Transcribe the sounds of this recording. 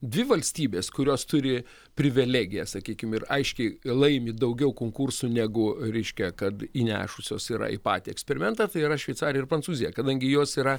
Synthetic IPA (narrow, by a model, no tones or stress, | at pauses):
d̪ʲʋʲɪʋɐlʲsʲt̪ʲiːbʲeːskʊɾʲoːst̪ʊɾʲɪ | pʲɾʲɪʋʲɪlʲæːɡʲɪjɛsɐkʲiːkʲɪmɪrɐɪʃʲkʲɛɪlˠɐɪmʲɪd̪ɐʊɡʲɛʊkoːŋkursuːnʲæɡʊɾʲɛɪʃʲkʲɛkɐt̪inʲæ̰ːʃʊsʲo̰ːsiːɾɐ̰ḭpɑ̰ːt̪ʲiːɛksʲpʲɛɾʲɪmʲɛnt̪ɑːt̪ɐɪiɾɐʃʲʋʲɛɪt̪sɑːɾʲɪjɛɪrpɾɐnt͡s̪uːzʲɪjɛkɐd̪ɐŋʲɡʲɪjoːsiːɾɐ